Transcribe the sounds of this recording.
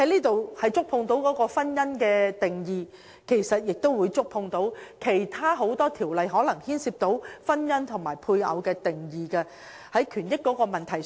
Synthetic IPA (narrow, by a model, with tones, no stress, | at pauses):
hɐ˦˥jliː˥t̪o˨whɐ˨jt͡sʊ˥k̚pʰʊ˧ŋt̪o˨˥wkɔː˨˥kɔː˧fɐ˥njɐ˥nkɛː˧t̪ɪ˨ŋjiː˨ | kʰe˨˩jsɐ˨t̚jɪ˨k̚t̪o˥wuː˨˧jt͡ʃʊ˥k̚pʰʊ˧ŋt̪o˨˥wkʰe˨˩jt̪ʰaː˥ɦo˨˥wt̪ɔː˥t̪ʰiː˨˩wlɐ˨jɦɔː˨˥lɐ˨˩ŋhiː˥nsiː˧p̚t̪o˨˥wfɐ˥njɐ˥nt̪ʰʊ˨˩ŋmaː˨˩jpʰuː˧jɐ̰˨˧wkɛː˧t̪ɪ˨ŋjiː˨˧kɐ˧ | hɐ˨˥jkʰyː˨˩njɪ˥kːɔː˨˥kɔː˧mɐ˨nt̪ʰɐ˨˩j